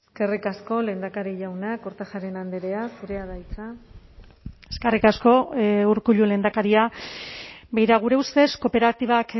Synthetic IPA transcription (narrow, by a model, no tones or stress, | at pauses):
eske̞rikasko̞le̞nd̪akaɾiʝawnakoɾt̪axaɾe̞nand̪eɾeasuɾe̞aðajt͡sa | eskarikasko̞uɾkuʎulend̪akaɾia | βejɾaɣ̞uɾe̞ust̪e̞sko̞pe̞ɾat̪iβak